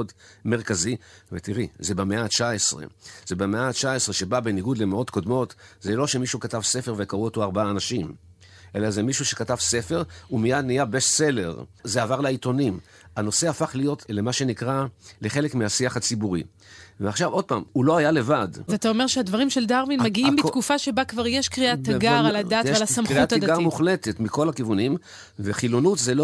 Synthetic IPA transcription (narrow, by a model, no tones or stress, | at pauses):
od | me̞ʁkazivetiʁizebameat͡ʃaesʁḛz̥ebemeat͡ʃaesʁeʃe̞babeniɡud̪lemeo̞tko̞d̪mo̞tzelo̞ʃemiʃukatavse̞fe̞ʁve̞kaʁuoto̞aʁbaaːnaʃim | ʔe̞lazemiʃuʃe̞katavse̞fe̞ʁumijadnijabeʃse̞le̞ʁzeavaʁlaito̞nim | ano̞se̞afaχlijo̞tlemaʃe̞nikʁaleχe̞lekmiasiaχat͡sibuʁi | veaχʃavo̞d̚pa̰ːmulo̞hajale̞vadzat̪aomeʁʃead̪vaʁimʃeld̪aʁminmaɡiimbikufaʃebakvaʁjeʃkʁiat̪ːaɡaʁaladataalasamkʁiuataɡamuχlete̞tmiko̞lakivunim | veχilonutzelo